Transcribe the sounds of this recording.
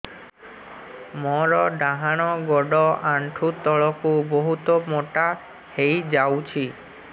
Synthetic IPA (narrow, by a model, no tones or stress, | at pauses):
mɔɾɔɖaɦaɽ̃ɔɡɔɖɔʔaɳʈʰut̪ɔɭɔkuboɦut̪ɔmoʈa | hejd͡ʒawt͡ʃʰi